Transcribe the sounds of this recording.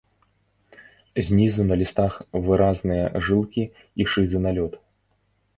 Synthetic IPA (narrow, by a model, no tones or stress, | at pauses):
zʲnʲizunɐlʲist̪axvɨɾaznɨjɐ̰ʐɨlˠkʲi | iʂɨzɨnalʲɔt̪